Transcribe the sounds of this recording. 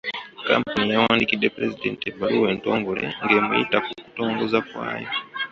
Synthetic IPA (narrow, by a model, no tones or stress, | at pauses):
ka̰m̩punijawanikiɗɛpɾɛzidɛntɛbaɾuwɛntɔŋɡɔɾɛ̰ŋɡɛmɔitakuku̥tɔŋɡɔzakwa̰jɔ